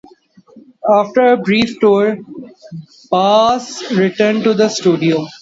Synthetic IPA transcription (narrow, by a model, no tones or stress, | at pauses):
aːfʈəɾəbɾiːfʈɔːɾ | paːsɾɪʈə̃ɾɳɖʈud̪əsʈuːɖioː